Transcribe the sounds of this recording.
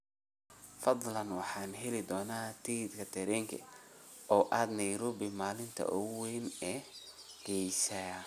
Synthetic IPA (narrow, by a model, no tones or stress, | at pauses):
fɑd̪ˤlɐnwɑħɑːnɦɛlɪd̪ɔːnaːt̪ʰiɪd̪kʰɐt̪ʰɛɾɛːŋkʰɛ̰ɔːʔaːd̪nɛjɾʊbɪmaːlɪnt̪ʰɐ̰ʔɔwɛjnɛːɡ̥ɛjsɐ